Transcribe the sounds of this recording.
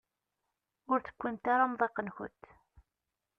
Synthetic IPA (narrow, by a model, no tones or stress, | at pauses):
ʊɾθə̥kʷːimt̪aɾamðˤeqːənçʊ̰nt̪ː